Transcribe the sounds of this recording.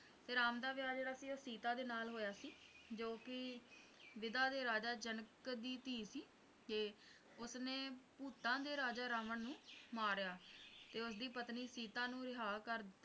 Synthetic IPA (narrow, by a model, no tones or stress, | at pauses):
t̪eːɾaːmd̪aːʋɪjaːd͡ʒeːɾaːsiːoːsiːt̪ãːd̪eːnaːlɦoːjaːsiːd͡ʒoːkɪ | ʋɪd̪aːd̪eːɾaːd͡ʒaːd͡ʒənəkd̪iːt̪iːsiː | d͡ʒeː | ʊsnẽːpuːt̪ãːd̪eːɾaːd͡ʒaːɾaːməɳnũːmaːɾjaːt̪eːʊsd̪iːpət̪niːsiːt̪ãːnũːɾɪɦaːkəɾd̪ɪt̪ːa